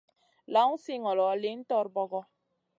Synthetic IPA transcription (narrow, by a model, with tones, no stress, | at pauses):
la˨˦ŋu˦si˦ŋɔ˨lɔ˨le˦n̩˦tɔ˦ɾbɔ˦ɡɔ˦